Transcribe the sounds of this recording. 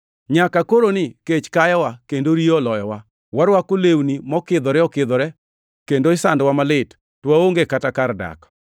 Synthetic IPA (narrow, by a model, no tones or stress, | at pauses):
ɲakakoɾonɪket͡ʃkajɛwakendoɾiɔlɔjɔwa | waɾwakolewnimɔkɪd̪ɔɾɛɔkɪd̪ɔɾɛ | kendoɪsandwamalɪt | twaoŋɡekatakarda̰k